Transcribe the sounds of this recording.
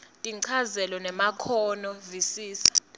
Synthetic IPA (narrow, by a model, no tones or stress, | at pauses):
tʼiǀʰazɛlɔnɛmakʰɔnɔvisiːsḁ